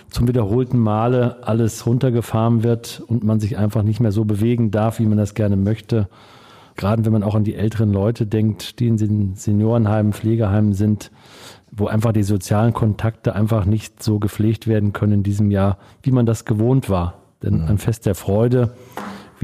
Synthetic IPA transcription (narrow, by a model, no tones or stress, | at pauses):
t͡sʊmvidɐhoːltn̩maːləʔaləsʁʊntɐɡəfaːʁənvɪɐtʊntmanzɪçʔa̰ɪnfaχnɪçtmeːɐzoːbəveːɡŋ̩daɐfv̥iːmandasɡ̥ɛɐnəmœçtə | ɡ̥əʁaːdəvɛnmanaʊxandiːʔɛltəʁənlɔʏtʰədɛŋktd̥iːɪnzenz̥enjoːʁənhaɪmfleːɡəɦaɪmzɪnt | voːʔaɪnfaχd̥iːzot͡sjaːlənkʰɔntʰak̚təʔa̰ɪnfaχnɪçtz̥oːɡəp͡fleːçtv̥eːɐdn̩kʰœnənɪndiːzəmjaːɐ | viːmandasɡ̥əvoːntv̥aːɐ | d̥ɛnanfɛst̚d̥eːɐfʁ̥ɔʏdə | v